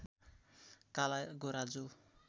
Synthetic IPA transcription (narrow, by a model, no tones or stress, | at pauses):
kalaɡoɾad͡zo